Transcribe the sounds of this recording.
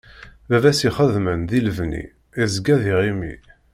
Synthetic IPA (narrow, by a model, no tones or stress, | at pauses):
bævæsiχəðmənðilvnḭ | izɡæðiʁimḭ